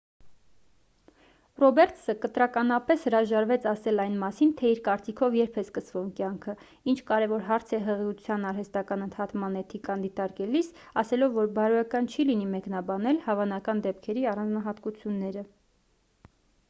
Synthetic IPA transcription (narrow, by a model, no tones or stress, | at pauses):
rɔbɛɾt̪səkət̪ɾɑkɑnɑpɛshəɾɑʒɑɾvɛt͡sʰɑsɛlɑjnmɑsint̪ʰɛiɾkɑɾt͡sikʰɔvjɛɾpʰɛskəsvumkjɑŋkʰə | int͡ʃʰkɑɾɛvɔɾɦɑɾt͡sʰɛɦəʁiut͡sʰjɑnɑɾɦɛst̪ɑkɑnənt̪ʰɑt̪mɑnɛt̪ʰikɑnd̪it̪ɑɾkɛlis | ɑsɛlɔvːɔɾbɑɾɔjɑkɑnt͡ʃʰilinimɛknɑbɑnɛlhɑvɑnɑkɑnd̪ɛpkʰɛɾiɑrɑnd͡znɑɦɑt̪kut͡sʰjunːɛɾə